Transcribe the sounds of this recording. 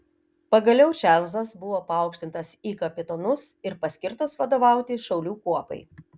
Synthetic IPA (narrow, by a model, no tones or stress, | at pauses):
pɐɡɐlʲɛʊt͡ʃʲɛlʲzɐsbʊʋoːpɐɐˑʊkʃʲt̪ʲɪnt̪ɐsiːkɐpʲɪt̪ɔnʊsɪɾpɐsʲkʲɪɾt̪ɐsʋɐd̪oːʋɑˑʊt̪ʲɪʃɒʊlʲuːkuɔpɐ̰ɪ